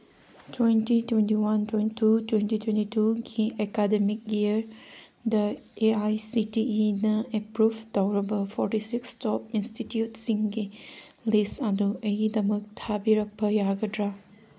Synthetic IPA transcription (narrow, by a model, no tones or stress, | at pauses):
twentitwentiwantwenitutwentitwentituɡiʔekademik̚jiəɾ | d̪əeajsitiinɐepɾubd̪awɾɐbɐfʰɔɾʈisikstɔp̚institjutsiŋɡi | lesad̪uɐd̪ɐmək̚t̪ʰabiɾɐk̚əjaɡədɾa